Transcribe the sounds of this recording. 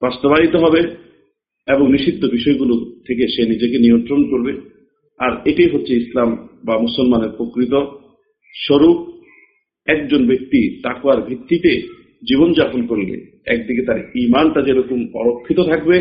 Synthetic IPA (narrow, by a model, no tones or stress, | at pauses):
bast̪obaɦit̪oɦɔbe | eboŋniʃid̪ʱːobiʃɔeɡulot̪ʰekeʃenid͡ʑekeniont̪ɾonkoɾbe | aɾeʈajɦotːɕʰeislambamusolmaneɾpɾokɾit̪̬o | ʃoɾu | ɛk̚d͡ʑonbek̚t̪it̪akbaɾbʱit̪ːit̪e | d͡ʑiβond͡ʑaponkoɾlḛ | ɛ̰k̚d̪iket̪aɾimanʈad͡ʑeɾɔkomɔ̰ɾokʰːit̪ot̪ʰak̚be